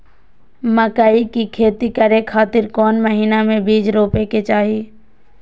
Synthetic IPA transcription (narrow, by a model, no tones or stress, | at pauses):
məkaːikikʰeːt̪ikəɾekʰaːt̪ɪɾkɔːnməɦiːnamẽbiːd͡ʒɾoːpeket͡ʃaːɦi